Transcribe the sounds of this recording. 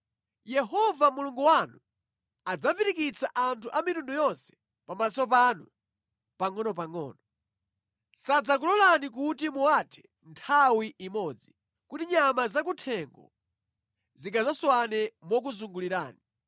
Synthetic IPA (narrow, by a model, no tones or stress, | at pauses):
jɛɦɔvamuluŋɡuwanu | ad͡zaviɾikit͡sʰaʔantʰuʔamitundujɔnsɛ̥ | pamasɔp̬anṵ | paŋɔnɔpaŋɔ̰ːnɔ | sad͡zak̬ulɔlanik̬utimuwatʰɛ̥ | ntʰawiʔimɔːd͡zi | kutiɲamazak̬utʰɛŋɡɔ̰ | zikʰazaswanɛmɔk̬uzuŋɡuliɾa̰ːni